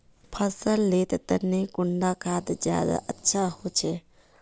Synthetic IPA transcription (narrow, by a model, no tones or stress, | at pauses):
pʰəsəlːet̪t̪ənːekuɳɖakad̪d͡ʒja̰d̪a̰ʔətːʃʰaɦot͡ʃʰɛ